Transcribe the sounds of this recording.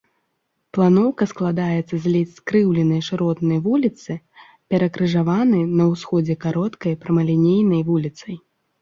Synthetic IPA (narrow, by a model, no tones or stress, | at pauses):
plˠanɔwkɐsklˠad̪ajɛt̪sːɐzʲlʲiskɾɨwlʲɛnɐjʂɨɾɔt̪nɐjvulʲit̪sɨ | pʲɛɾɐkɾɨʐavanɨnɐwsxɔd͡zʲɛkaɾɔt̪kɐjpɾɐmɐlʲinʲejnɐjvulʲit̪sɐj